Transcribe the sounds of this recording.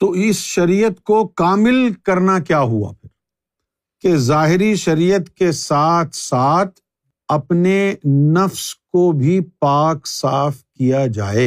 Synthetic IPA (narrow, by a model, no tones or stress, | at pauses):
t̪oːɪsʃɐɾiːjət̪kokaːmɪlkɐɾnakjaːɦua̰pʰɪɾ | kezaːɦɪɾiʃɐɾijət̪kesaːt̪ʰsaːt̪ʰ | ɐpnenɐfskobʱipaːksaːfkijad͡ʒa̰ːeː